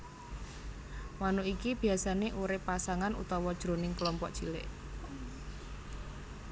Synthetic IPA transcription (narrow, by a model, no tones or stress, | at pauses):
manuʔikib̥i̤asaneʔuɾɪpːasaŋanṵt̪ɔwɔd̥ʒ̥ɾonɪŋkəlɔmpɔʔd̥ʒ̥ilɪ̰ʔ